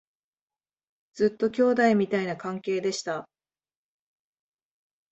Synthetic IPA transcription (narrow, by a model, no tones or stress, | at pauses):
d͡z̥ɨt̪ːo̞kʲo̞ːd̪aimʲit̪ainakãŋke̞ːd̪e̞ɕi̥t̪a